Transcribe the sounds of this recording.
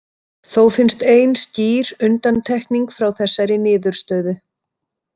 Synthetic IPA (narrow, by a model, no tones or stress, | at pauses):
θowfɪnst̪eːjnsciːɾʏnt̪ant̪ʰɛhkniŋkfɾawθɛsːajɾɪnɪːðʏɾ̥st̪œːɥðʏ